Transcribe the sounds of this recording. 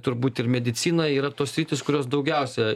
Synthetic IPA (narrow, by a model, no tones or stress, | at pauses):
t̪ʊɾbuːt̪ɪrmʲɛd̪ʲɪt̪sʲiːnɐiːɾɐt̪oːssʲɾʲiːt̪ʲɪskʊɾʲoːs̬d̪ɐʊɡʲɛʊsʲɛ